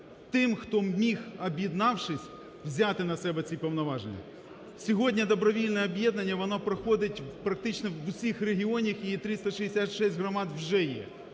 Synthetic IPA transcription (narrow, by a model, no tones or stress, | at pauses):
t̪ɪmxt̪ɔmʲixɐbʲjid̪nɑwʃɪsʲ | wzʲat̪ɪnɐsɛbɛt͡sʲipɔwn̪ɔʋɑʒenʲːɐ̰ | sʲɔɦɔdʲnʲɐd̪ɔbɾɔʋʲilʲnɛɔbʲjɛd̪nɐnʲːɐʋɔnɔpɾɔxɔd̪ɪtʲpɾɐk̚t̪ɪt͡ʃnɔʋʊsʲixreɦʲiɔnʲixit̪ɾɪst̪ɐʃiɦesʲat̪ʲʃɛsʲtʲɦɾɔmɑd̪wʒɛjɛ̰